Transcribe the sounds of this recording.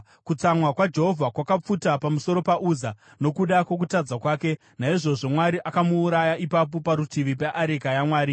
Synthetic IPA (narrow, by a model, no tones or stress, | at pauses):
kut͡samwakwad͡ʒe̞ɦo̞vʱakwakap͡futapamuso̞ɾo̞paʔuza | no̞kuɗakwe̞k̬utad͡zakwaːke̞ | naiʐo̞ʐo̞mwaɾiʔakamuːɾajaʔipap̬o̞paɾutiʋip̬eʔaɾekajamwaːɾi